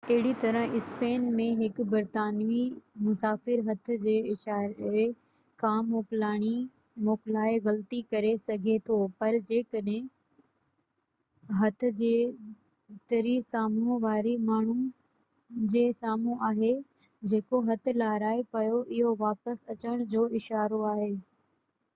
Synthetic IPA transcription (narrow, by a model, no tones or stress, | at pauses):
ɐɦɪɽit̪ɐɾə̃ɦɪspeːnmẽɦɪkbɐɾt̪aːnʋimʊsaːfɪɾɦɐt̪ʰʊ̆d͡ʑeːɪʃaːɾ | kʰãːmoːklaːɽ̃i | moːklaːeɣɐlt̪ikɐɾesɐɡʱet̪ʰopɐɾd͡ʑeːkɐɗɦẽ | ɦɐt̪ʰʊ̆d͡ʑeː | t̪ɐɾisaːmuʋaːɾimaːɳ̤u | d͡ʑeːsaːmũʔaːɦe | d͡ʑeːkoɦɐt̪ʰlaːɾaːepɐjoʔɪɦoʋaːpəsɐt͡ɕəɽ̃d͡ʑoːɪʃaːɾoaːɦeː